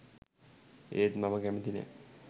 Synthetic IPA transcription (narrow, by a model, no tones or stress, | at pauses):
eɾmamaɡɛmed̪inḛ